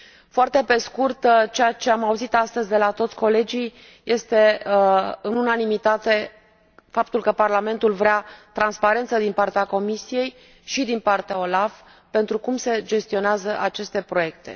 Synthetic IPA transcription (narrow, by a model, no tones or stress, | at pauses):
foart̪e̞pe̞skurt̪t͡ʃeat͡ʃe̞amauzit̪ast̪əzʲd̪e̞lat̪o̞t̪sʲko̞le̞d͡ʒij | je̞st̪e̞ | ɨnunanimit̪at̪e̞ | fap̚t̪ulkəparlame̞nt̪ulvɾeat̪ɾanspaɾe̞nt̪səd̪inpart̪eako̞misije̞j | ʃid̪inpart̪eao̞laf | pe̞nt̪ɾukumse̞d͡ʒe̞st̪io̞neazəʔat͡ʃe̞st̪e̞pɾo̞je̞k̚t̪e̞̰